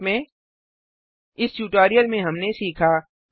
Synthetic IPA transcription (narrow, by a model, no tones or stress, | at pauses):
mẽ | ɪsʈuːʈaːɾijəlmẽɦɐmnesiːkʰaː